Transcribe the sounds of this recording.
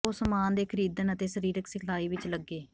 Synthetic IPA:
oːsəmaːnd̪eːkʰəɾiːd̪ənət̪eːsəɾiːɾəksɪkʰlaːiːʋɪt͡ʃləɡːeː

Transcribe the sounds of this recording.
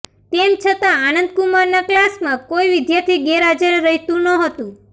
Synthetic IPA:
t̪emt͡ʃʰət̪ãanənd̪̚kumaɾnaklasmãkoiʋɪd̪jaɾt̪ʰiɡeɾad͡ʒəɾeɾəɦit̪ũnəɦət̪ũ

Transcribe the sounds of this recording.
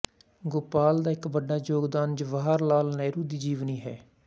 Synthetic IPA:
ɡʊpaːld̪aːɪkbəɖːaːd͡ʒoːɡd̪aːnd͡ʒəʋaːɦaɾlaːlnɛːɾuːd̪iːd͡ʒiːʋniːɦɛ̰ː

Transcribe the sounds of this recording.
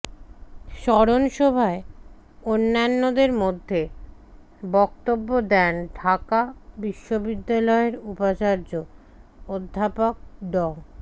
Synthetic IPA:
ʃɔɾonʃɔbʱae | onːanːod̪eɾmod̪ʱːe | bɔkt̪obːod̪ɛnɖʱakabiʃːobid̪ːalɔeɾupat͡ɕaɾd͡ʑo | od̪ʱːapok̚ɖɔŋ

